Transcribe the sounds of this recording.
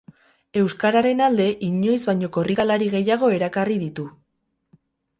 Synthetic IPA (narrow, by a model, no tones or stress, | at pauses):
e̞wskaɾaɾe̞nald̪e̞ʔiɲo̞jzβajɲo̞ko̞rikalaɾiɣe̞jaɣ̞o̞e̞ɾakariðit̪u